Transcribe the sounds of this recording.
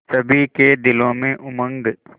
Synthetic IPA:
səbʱiked̪ɪlõmẽʔʊmə̃ŋɡ

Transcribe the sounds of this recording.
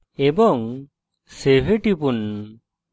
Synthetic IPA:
ebɔŋ | sebʱeʈipun

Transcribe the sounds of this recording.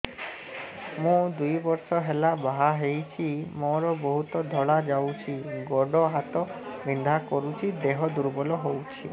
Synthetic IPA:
mũd̪ujbɔɾsɔɦelabaɦaɦejt͡ʃʰimɔɾɔboɦut̪ɔd̪ʱɔɭad͡ʒawt͡ʃʰiɡɔɖɔɦat̪ɔ | bind̪ʱakɔɾut͡ʃʰid̪eɦɔd̪uɾbɔlɔɦowt͡ʃʰi

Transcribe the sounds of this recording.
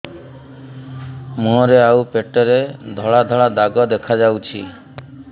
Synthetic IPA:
mõɾeawpeʈɔɾed̪ʱɔɭad̪ʱɔɭad̪aɡɔd̪ekʰad͡ʒawt͡ʃʰi

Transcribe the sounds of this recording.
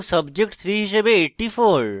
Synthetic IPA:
sɐbd͡ʒek̚ʈsɾiɦiʃebeeːʈːifoːɾ

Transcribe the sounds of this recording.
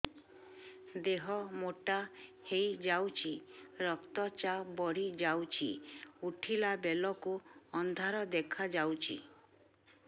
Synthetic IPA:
d̪eɦɔmoʈahejd͡ʒawt͡ʃʰiɾɔkt̪ɔt͡ʃabɔɽ̤id͡ʒawt͡ʃʰḭuʈʰilabelɔkuɔnd̪ʱaɾɔd̪ekʰad͡ʒawt͡ʃʰḭ

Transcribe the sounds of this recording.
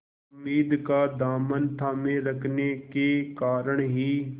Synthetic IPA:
ʊmːiːd̪kaːd̪aːmənt̪ʰaːmẽɾəkʰnekekaːɾəɳɦiː

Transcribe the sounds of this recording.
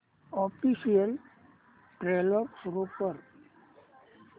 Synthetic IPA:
ɔːpʰisijəl | ʈɾelɔɾsʊɾokəɾ

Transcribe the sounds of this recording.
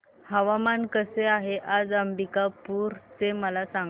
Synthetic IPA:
həʋamankəseaɦeʔad͡zəmbikapuːɾt͡seməlasaŋ

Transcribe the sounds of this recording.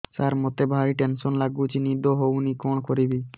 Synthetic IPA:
saɾmot̪ebʱaɾiʈensɔnlaɡut͡ʃʰinid̪oɦownikɔɳkoɾibi

